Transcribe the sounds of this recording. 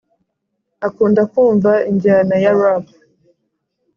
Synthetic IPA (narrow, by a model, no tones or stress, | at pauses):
akuːndakuːɱvaiɲɟanajaɾaba